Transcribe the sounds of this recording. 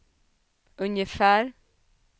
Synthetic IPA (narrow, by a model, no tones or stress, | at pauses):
ʉnjəfæːɾ